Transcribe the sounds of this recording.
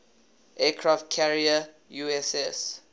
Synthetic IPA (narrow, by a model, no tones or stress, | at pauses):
ʔɛkʰɹaft̚kʰɛɹiə | juɛsɛs